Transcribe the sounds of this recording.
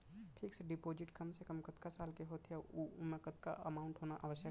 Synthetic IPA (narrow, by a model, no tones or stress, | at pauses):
pʰɪkseɖɪpoːd͡ʒɪʈkəmsekəmkət̪kasaːlkeɦot̪ʰjaumẽkət̪ka̰ʔəmaːʊɳʈɦoːnaʔa̰ʋəsjə